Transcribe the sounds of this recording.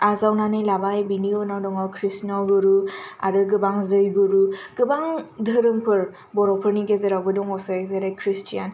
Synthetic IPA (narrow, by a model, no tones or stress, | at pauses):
azawnanɯjlabajbiniɔnawdɔŋɔkʰɾisnalɡɯɾua̰ɾɯɡɯbaŋzɯjɡuɾuɡ̥ɯbaŋdʱɯɾɯmpʰɯɹ | bɔɾɔpʰɯɹniɡezɛɾawbɯdɔŋɔsazɛɾɛkʰɹistijan